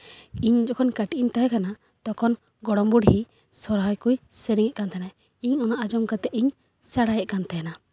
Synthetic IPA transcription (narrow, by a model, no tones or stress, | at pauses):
iɲd͡ʒɔkʰɔnkaʈiʔint̪aɦɛkana | t̪ɔkʰɔn | ɡɔɽɔmbuɽhi | sɔɾɦajkujsɛɾiŋɛʔkant̪ʰanaj | iɲɔnaʔad͡ʒɔmkat̪ɛʔiɲ | saɽajɛʔkant̪ajɛna